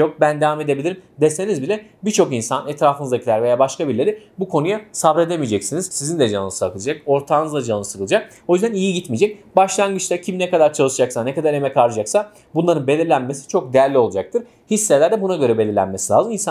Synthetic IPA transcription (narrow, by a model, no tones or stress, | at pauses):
ok̚bænd̪evame̞d̪ebilʲiɾimd̪ese̞nizbilʲɛbiɾt͡ʃʰo̞kinsanɛt̪ɾaːfɯnɯzacʰilʲæɾve̞jaːbaʃkabiɾlʲeɾibukʰo̞nujasabɾe̞d̪emijd͡ʒɛcsiniz̥sizind̪ʲɛd͡ʒanɯɯsɯakʰɯlˠɯd͡ʒako̞ɾt̪ʰaːnɯzlˠad͡ʒanɯɯsɯkɯlˠɯd͡ʒak̚ | o̞jyzd̪ænijiɟit̪mid͡ʒɛc̚baʃlˠanɡɯt͡ʃlɛɾcʰimnɛkad̪aɾt͡ʃʰalˠɯʃɯd͡ʒaksanɛkad̪aɾe̞mɛcʰaɾɯd͡ʒaksa | bunlˠaɾɯnbe̞lʲiɾlʲænme̞si̥t͡ʃʰo̞k̚d̪ejæɾlʲio̞lˠud͡ʒak̚t̪ʰɯɾ̥ | hisːelʲæɾd̪ɛbunaɟø̞ɾɛbe̞lʲiɾlʲæ̰nme̞silʲa̰ːzɯminsa